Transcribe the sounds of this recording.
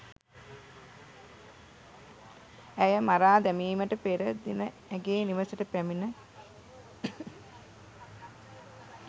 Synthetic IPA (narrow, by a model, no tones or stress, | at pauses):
æjəmaɾaːd̪æmiːməʈəpeɾəd̪inə | æɡeːniʋəsəʈəpæminə